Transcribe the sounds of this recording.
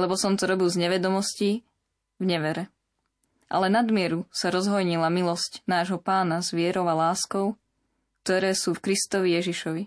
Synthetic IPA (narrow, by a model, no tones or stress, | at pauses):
lɛbɔsɔmt̪ɔɾɔbilˠzɲɛʋɛd̪ɔmɔsci | vɲɛʋɛɾɛ | ʔa̰lɛnad̪mɪɛɾusaɾɔzɦɔjɲilamilɔscnaːʒɦɔpaːnazʋɪɛɾɔʊalaːskɔʊ | k̚t̪ɔɾɛːsuːfkɾist̪ɔʋijɛʒiʃɔʋi